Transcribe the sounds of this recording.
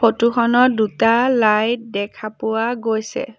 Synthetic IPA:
otuxʰɔnɔdutalajdɛkʰapʊwaɡojsɛ̰

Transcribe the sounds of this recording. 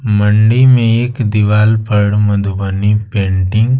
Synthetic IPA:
məɳɖimẽeːkd̪iʋaːlpəɽmɐd̪ubənipẽːɳʈɪ̃ŋɡ

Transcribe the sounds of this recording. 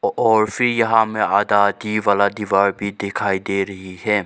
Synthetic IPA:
ɔːɾfʰɪɾjɐɦãmẽaːd̪ad̪iʋaːlad̪iːʋaːɾbʱid̪ekʰaːid̪eɾɐɦiɦɛː

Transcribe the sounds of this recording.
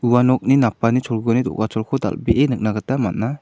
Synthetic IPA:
uwanɔk̚ninapanit͡ʃʰɔlɡɔnidɔ̰ʔkat͡ʃʰɔlkʰɔd̪a̰lbeʔenɯk̚naɡətamat̚nːa

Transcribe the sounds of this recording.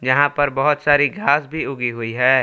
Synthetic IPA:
jɐɦãpɐɾbɐɦʊt̪saːɾiɡʱaːsbʱiʊɡiɦʊiɦɛː

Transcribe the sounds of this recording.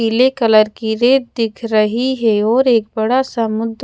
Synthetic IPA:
ilekɐləɾkiɾeːt̪̚d̪ɪkʰɾɐɦiɦɛɔːɾeːk̚bɐɽasɐmʊd̪

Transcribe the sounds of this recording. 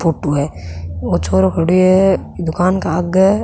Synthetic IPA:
pʰoːʈuɦɛːot͡ʃʰoːɾokʰəɽiɛd̪ʊkaːnkaɐɡ

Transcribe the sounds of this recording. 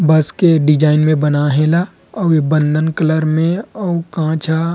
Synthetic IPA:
bɐskeɖɪd͡ʒaːɪnmẽbənaɦẽːla | ɔbə̃nd̪ʱənkələɾmẽɔukãːt͡ʃʰa

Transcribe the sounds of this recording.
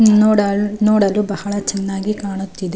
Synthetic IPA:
nɔːɽɐnoːɽɐlubɐhɐɭɐt͡ʃɛnːaːɡikaːɳut̪ːid̪e

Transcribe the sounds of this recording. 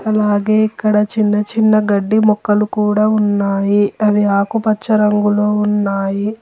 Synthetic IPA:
ɐlaːɡeːikːɐɽɐt͡ʃinːɐt͡ʃinːɐɡɐɖːimɔkːɐlukuːɽaːunːaːjiɐʋiaːkupɐt͡ʃːɐɾɐŋɡulo̞ːunːaːji

